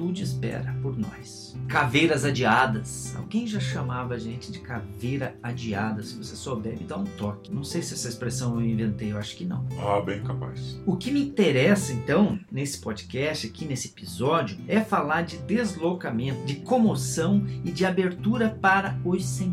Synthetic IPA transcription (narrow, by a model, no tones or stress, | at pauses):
t̪ud̪ʊɪspɛ̰ɾɐpoɾnɔ̰s | kavejɾɐzad͡ʒiad̪ɐsa̰wɡẽj̃ʒaʃɐmavɐʒẽnt͡ʃɪd͡ʒɪkavejɾɐad͡ʒiad̪ɐsɪvosesɔbɛbɪd̪aũt̪ɔkɪnɐ̃w̃sejsɪɛsɐespɾesɐ̃w̃ewĩvẽnt̪ejewaʃʊ̥kɪnɐ̰̃w̃abẽj̃kapa̰sʊkɪmɪĩt̪eɾɛsɐẽnt̪ɐ̃w̃nesɪ̥pɔd͡ʒɪkɛst͡ʃɪakinesɪepizɔd͡ʒjʊɛfalaɾd͡ʒɪd̪ezlokamẽnt̪ʊd͡ʒɪkomosɐ̃w̃ɪd͡ʒɪabeɾt̪uɾɐpaɾɐosẽ